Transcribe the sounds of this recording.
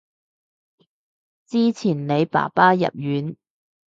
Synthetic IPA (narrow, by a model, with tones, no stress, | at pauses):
t͡siː˥t͡sʰiː˨˩nne˨˧jpa̰ː˨˩paː˥jɐ̰˨p̚jyː˨˥n